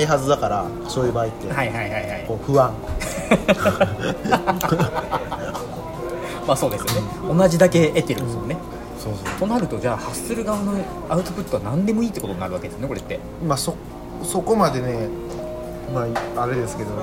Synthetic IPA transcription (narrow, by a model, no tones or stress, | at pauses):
aiɦazɨd̪akaɾa | soːibait̪ːehaiɦaihaihaikoːɸɯ̟βãŋ | maːso̞ːd̪e̞sɨjone | o̞naʑid̪ake̞ʔːt̪ːe̞ɾɯ̟nsmone̞ | soːsot̪o̞naɾɯ̟t̪o̞d͡ʑaːhasːɨɾɯ̟ɡaβano | aɯ̟t̪opɯ̟t̪ːoanãnd̪e̞mo̞iːt̪ːeko̞t̪o̞nnaɾɯ̟βaked̪esjoneko̞ɾe̞t̪ːe̞ | maso | so̞ko̞mad̪e̞ne̞ | maaɾe̞d̪e̞sɨ̥ke̞d̪o̞